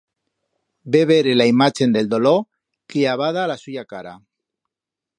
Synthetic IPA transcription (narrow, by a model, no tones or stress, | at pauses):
beβeɾelaimat͡ʃe̞nd̪e̞ld̪olo | kiaβ̞að̞aːlasuʝakaɾa